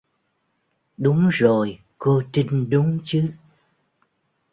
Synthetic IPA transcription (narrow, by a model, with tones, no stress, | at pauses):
ɗʊ˨˦ŋ͡mzo˨˩j | ko˧t͡ɕi˧ŋ̟ɗʊ˨˦ŋ͡mt͡ɕɨ˨˦